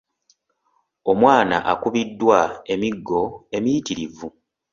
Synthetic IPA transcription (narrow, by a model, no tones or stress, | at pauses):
o̞mwaːna̰ʔa̰kuβidːwae̞miɡːo̞e̞mijitiɾivu